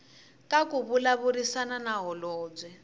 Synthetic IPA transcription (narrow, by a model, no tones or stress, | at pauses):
kakuβulaβuɾisananaɦɔlɔːd͡zwɛ